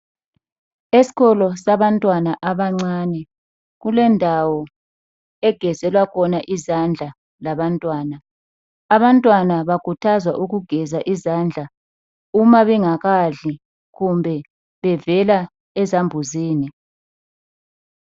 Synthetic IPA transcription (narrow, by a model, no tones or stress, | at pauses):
esi̥ɣɔlɔsaβantʼwanaʔaβaŋ͡ǀaːnɛ | ɣulɛndʱawɔ | ɛɡ̥ʱɛzɛlwakʰɔnaʔizand͡ɮʱa | laβantʼwaːnaː | βantʼwanaβakʰutʰazwaʔuɣuɡ̥ʱɛzaʔizand͡ɮʱa | umaβɛŋaɣaɮi | ɣumbʱɛ | βɛvɛla | ɛzambʱuziːni